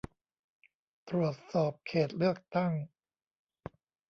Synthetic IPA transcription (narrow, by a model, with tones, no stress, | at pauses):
t̪ɾu˨˩ət̪̚sɔː˨˩p̚kʰeː˨˩t̪̚lɯ˥˩ək̚t̪a˥˩ŋ